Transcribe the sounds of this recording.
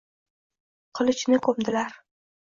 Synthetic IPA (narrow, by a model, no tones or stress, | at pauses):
qʰɨlˠɪt͡ʃnɪkʰɵmd̪ɪlaɾ